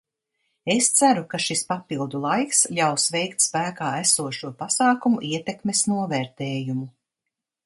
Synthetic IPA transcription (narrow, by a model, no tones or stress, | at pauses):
est̪sæɾukaʃispapilˠd̪ulˠajkslʲawsvɛjkt̪spæːkaːæsuɔʃuɔpasaːkumuʔiɛt̪ekmesnuɔvɛːɾt̪ɛːjumu